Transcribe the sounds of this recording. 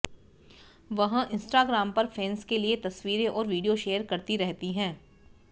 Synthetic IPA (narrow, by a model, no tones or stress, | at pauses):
ʋɐɦãʔɪ̃nsʈaːɡɾaːmpɐɾfʰɛːnskeliet̪ɐswiːɾeʔɔːɾʋiːɖijoʃeːəɾkɐɾt̪iɾɛɦt̪iɦɛ̃ː